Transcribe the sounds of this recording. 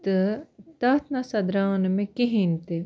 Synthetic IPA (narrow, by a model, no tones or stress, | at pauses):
t̪ət̪ɐːt̪ʰnasɐd̪ɾaːnmẽkiɦint̪e